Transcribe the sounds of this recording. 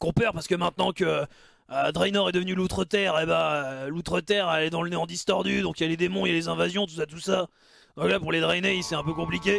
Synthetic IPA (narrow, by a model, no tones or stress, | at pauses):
kɔ̃pɛʁpaʁsə̥kəmɛ̃t̪nɑ̃kə | d̪ʁɛjnɔʁɛd̪əvənylut̪χət̪ɛʁebaølut̪χət̪ɛʁɛlɛd̪ɑ̃ləneɑ̃d̪ist̪ɔʁd̪yd̪ɔ̃kjaled̪emɔ̃jalezɛ̃vazjɔ̃t̪u̥s̬at̪usa | d̪ɔ̃klapuʁled̪ʁɛjneisɛɛ̃pøkɔ̃plik̬ʲe